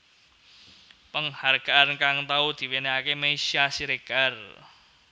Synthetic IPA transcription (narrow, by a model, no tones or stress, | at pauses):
pəŋharɡ̥a̤ʔankaŋt̪aud̪̥i̤weneakemesiasiɾeɡ̥a̤r